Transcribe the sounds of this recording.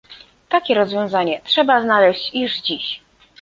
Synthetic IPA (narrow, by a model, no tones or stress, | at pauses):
t̪akʲɛɾɔzvʲjɔ̃w̃zaɲɛtʂɛbaznalɛɕt͡ɕiʐd͡ʑiɕ